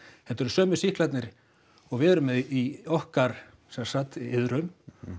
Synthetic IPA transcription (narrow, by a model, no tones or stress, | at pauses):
hɛt̪ːɛɾʏ̥sœːmʏ̥sihklat̪nɪɾ | ɔɣvɪðɛɾʏmɛðiɔhkaɾ̥ | sɛmaɾsat̪ːɪðɾʏm